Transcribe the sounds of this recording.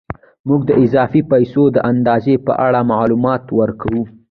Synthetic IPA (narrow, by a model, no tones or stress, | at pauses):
muɡ̚d̪əʔɪzɑfipajsod̪əʔand̪ɑzepə̰ʔaɽamaʕlumɑt̪wəɾkawu